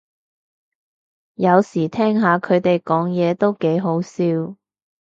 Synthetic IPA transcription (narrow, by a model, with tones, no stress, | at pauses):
jɐ˨˧wsiː˨˩t̪ʰɛː˥ŋɦaː˨˧kʰɵ˨˧ɥt̪e˨jkɔː˨˥ŋjɛː˨˧t̪o˥wke˨˥jɦo˨˥wsiː˧w